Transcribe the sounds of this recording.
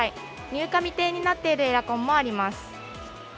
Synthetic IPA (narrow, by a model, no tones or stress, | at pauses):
i | ɲ̟ɨːkamʲit̪e̞ːɲ̟inat̪ːe̞iɾɯ̟e̞ɾakõ̞mːo̞aɾʲimasɨ̥